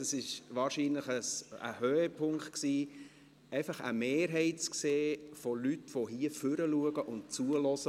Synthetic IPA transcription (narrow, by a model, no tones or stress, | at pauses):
ɑsɪʃʋɑːɾʃiːnləχəsə̰høːəpʰʊŋkt̪ksiː | ɛɪfɑχə̰meːɾɦɛɪtt͡skseːfɔlytʋoɦiːəfʏɾəluəɡəʔʊnt̚t͡suəlɔsə